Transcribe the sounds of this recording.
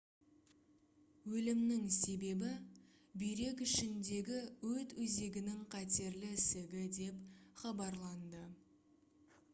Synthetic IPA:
wɵlɪmnɪŋse̞be̞bɪ | bijɾe̞kʲʏʃɪnd̪e̞ɡʲɪwɵt̪wɵze̞ɡʲɪnɪŋqʰɑt̪e̞ɾlɪsɪɡʲɪd̪e̞pχɑbɑɾlˠɑnd̪ə

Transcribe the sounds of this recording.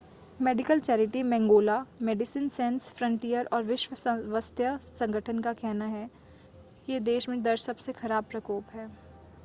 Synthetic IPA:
meːɖɪkəlt͡ʃɛːɾɪʈimɛ̃ːŋɡoːlameːɖɪsinsɛ̃ːnsfɾə̃ɳʈijəɾʔɔːɾʋɪʃʋəʋəst̪jəsɐ̃ŋɡəʈʰənkakɛɦnaɦɛ | jed̪eːʃmẽd̪ɐɾsɐbsexɐɾaːb̚pɾɐkoːpɦɛː

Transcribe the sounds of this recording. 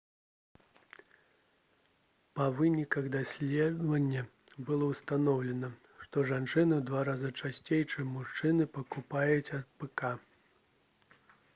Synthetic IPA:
pɐvɨnʲikɐɣd̪asʲlʲɛd̪vɐnʲːɐ | bɨlˠɔwst̪anɔwlʲɛnɐ | ʂt̪ɔʐant͡ʂɨnɨd̪vaɾazɨt͡ʂasʲt͡sʲejt͡ʂɨmːuʂt͡ʂɨnɨpɐkupajut͡sʲɐt̪̚pɛka

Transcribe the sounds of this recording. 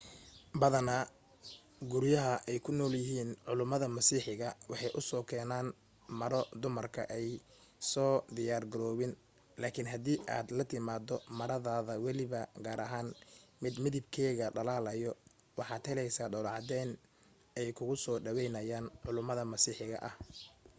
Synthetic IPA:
bɐðɐnɐ | ɡʊɾjɐɦɐʔɛjkʰʊnɔːljɪɦiːnʕʊlʊmɐðɐmɐsiːħɪɣɐwɑħɑjʔʊsɔːkʰɛːnaːn | mɐɾɔd̪ʊmɐrkʰɐ̰ʔɛj | sɔːd̪ɪjaːrɡɐɾɔːβɪn | laːkʰɪnɦɐd̪iːʔa̰ːd̪lɐt̪ʰɪmaːd̪ɔmɐɾɐðaːðɐwɛlɪβɐɡaːɾɐ̰ɦaːnmɪd̪mɪðɪbkʰɛːɣɐɖɐlaːlɐjɔ | wɑħɑːd̪hɛlɛjsaːɖɔlɑʕd̪ɛːn | ɛjkʰʊɣʊsɔːɖɐwɛjnɐjaːnʕʊlʊmɐðɐmɐsiːħɪɣɐ̰ʔɐh

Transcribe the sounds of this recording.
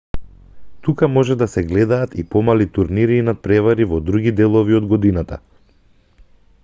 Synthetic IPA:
t̪ukamɔʒɛd̪asɛɡlɛd̪aːt̪ipɔmalit̪uɾniɾinat̪̚pɾɛvaɾivɔd̪ɾuɡid̪ɛlˠɔviɔd̪ɡɔd̪inat̪a̰

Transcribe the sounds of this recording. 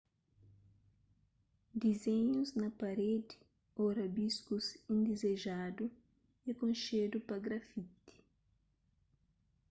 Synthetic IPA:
d̪izeɲuznɐpɐɾed̪i̥ | oɾɐbiskusĩnd̪ezeʒad̪u | ekõnʃed̪upɐɡɾɐfit̪i̥

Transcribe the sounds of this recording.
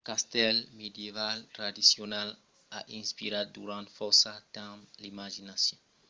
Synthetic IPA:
kast̪ɛlmed̪jevalt̪ɾad̪isjonal | aʔĩnspiɾad̪̚d̪uɾãnt̪fɔsat̪ãmlimaʒinasjɔ̃

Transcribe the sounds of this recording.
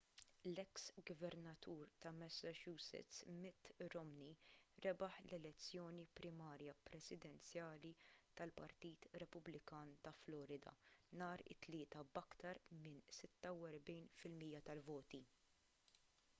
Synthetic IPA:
lɛksɡvɛɾnɐt̪ʰuːɾt̪ɐmɛsːɐt͡ʃuːsɪ̰t͡smɪt̪ːɾɔmniɾɛbɐħlɛlɛt͡sːjɔːnipɾɪmɐːɾjɐpɾɛsɪd̪ɛnt͡sjɐːlit̪ɐlpɐ̰ɾt̪iːt̪ɾɛpʊblɪkɐːnt̪ɐflɔːɾɪd̪ɐ̰nɐːɾɪ̰t̪ːlɪːt̪ɐbɐkt̪ɐɾmɪnsɪt̪ːɐwɛɾbɛjnfɪlmijːɐt̪ɐlvɔːt̪i

